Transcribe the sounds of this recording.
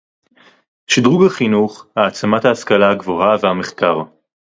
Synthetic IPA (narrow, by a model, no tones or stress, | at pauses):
ʃid̪ʁuɡhaχinuχhaːt͡samat̪haːskalaaɡvo̞havehameχkaʁ